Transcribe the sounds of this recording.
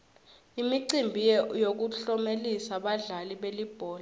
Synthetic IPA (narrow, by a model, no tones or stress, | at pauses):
imiǀimbʱijjok̬uɬɔmelisaɓaɮaliɓelib̥ʱɔːla